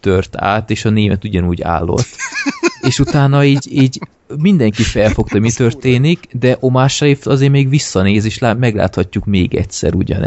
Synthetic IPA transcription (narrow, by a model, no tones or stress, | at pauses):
t̪ørt̪ʰa̰ːt̪eːʃɒneːmɛt̪uɟɒnuːɟa̰ːlːo̞̰t̪ːeːʃut̪aːnːɒiːɟiːɟ | mind̪ɛŋkifɛlfo̞kt̪ɒmit̪ø̞rt̪eːnikd̪ɛʔomaːʃɒeːft̪ɒzeːɾmeːɡʋisːɒneːzeːʃlamɛɡla̰ːt̪hɒcːukmeːɡɛ̰tsɛ̰ɾuɟɒ̰nɛ